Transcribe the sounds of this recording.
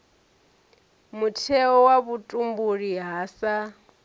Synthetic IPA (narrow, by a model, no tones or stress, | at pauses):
mutʰɛɔwaβutʼumbuɺiɦaːsa